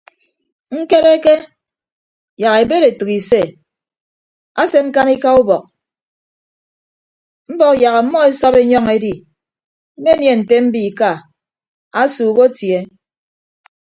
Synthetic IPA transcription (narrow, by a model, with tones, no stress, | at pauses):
ŋ̩˦ke˦ɾe˦ke˦ | ja˨ɣe˨be˦ɾe˨tɨ˨ki˨se˦˨ | a˦se˦ŋ̩˦ka˦ni˦ka˦u˦bɔ˨k̚ | m̩˦bɔ˦ja˨ɣa˨˦mɔ˦e˦sɔ˦be˦ɲɔ˦ŋe˦di˦ | m̩˦me˦nje˨n̩˨te˦m̩˦bi˦˨ka˦˨ | a˦suː˨ko˦tje˦